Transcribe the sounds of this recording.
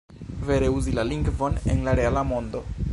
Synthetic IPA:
ve̞ɾeuzilaliŋɡvo̞ne̞̰nlaɾe̞alamo̞nd̪o̞

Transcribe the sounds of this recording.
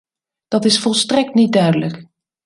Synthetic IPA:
d̥ɑtɪsfɔlˠstrɛk̚tnit̚dœɥdələk

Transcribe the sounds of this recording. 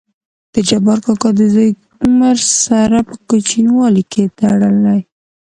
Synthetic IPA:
d̪̥əd͡ʒabɑɾkɑkɑd̪əzaj | ʊmaɾsaɾapəkət͡ʃinwɑlikʰet̪aɽəlaj

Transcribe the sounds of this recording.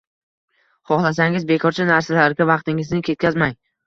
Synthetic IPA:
χɒχlˠasaŋɪzbe̞kʰɒɾt͡ʃʰanaɾsalaɾɡʲavɑqt̪ɪŋɪznɪkʲʰe̞t̪̚kʲazmaŋ

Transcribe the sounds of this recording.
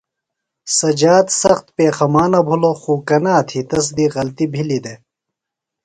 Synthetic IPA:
sɐd͡ʑaːt̪sɐxt̪̚peːxɐmaːnɐbʱuloxuːkɐnaːt̪ʰit̪ɐs̬d̪iɣɐlt̪ibʱilid̪e

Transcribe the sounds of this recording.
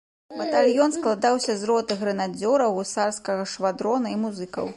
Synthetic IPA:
bɐt̪alʲjɔnsklˠad̪awsʲɐzrɔt̪ɨɣɾɐnad͡zʲɔɾɐwusarskɐɣɐʂvad̪ɾɔnɐimuzɨkɐ̰w

